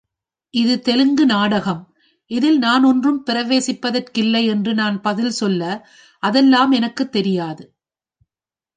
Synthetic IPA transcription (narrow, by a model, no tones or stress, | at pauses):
ʔɪðɯt̪ɛlɯŋɡɯnaːɽɐɣɐm | ʔɪðɪlnaːnɔndrɯmpɪɾɐʋeːsɪpːɐðɐrkɪlːɐɪɛndrɯnaːnpɐðɪlsɔlːɐ | ʔɐðɛlːaːmɛnɐkːɯt̪ːɛɾɪjaːðɯ